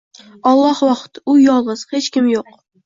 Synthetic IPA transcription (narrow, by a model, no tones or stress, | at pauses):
ɒlˠːɒhwɒqt̪ʊjɒlˠʁɨz̥het͡ʃkʲɪmjoq̚